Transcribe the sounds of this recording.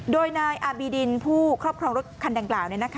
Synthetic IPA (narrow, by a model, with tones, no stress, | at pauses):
doː˧jnaː˧jʔaː˧biː˧di˧npʰuː˥˩kʰɾɔː˥˩p̚kʰɾɔː˧ŋɾu˦˥t̪kʰa˧nda˧ŋklaː˨˩wna˧jna˦˥kʰ